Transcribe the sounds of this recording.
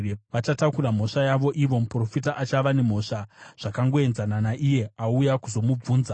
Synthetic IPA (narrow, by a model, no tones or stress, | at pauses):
ʋat͡ʃatakuram̤o̞ʂajaʋo̞ʔiʋo̞mupro̞fitaʔat͡ʃaʋane̞m̤o̞ʂaʐ̥akaŋɡo̞e̞nzananaʔije̞aujakuzo̞mub͡vuːnza